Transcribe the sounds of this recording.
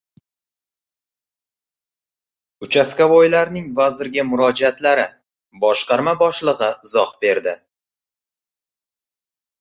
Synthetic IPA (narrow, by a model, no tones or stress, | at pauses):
ʊt͡ʃʰaskʲavojlaɾnɪŋvazɪɾɡʲamʊɾɒd͡ʒat̪laɾɪ | bɒʃqɑɾmabɒʃlˠɨʁɨɪzɒhbe̞ɾd̪ɪ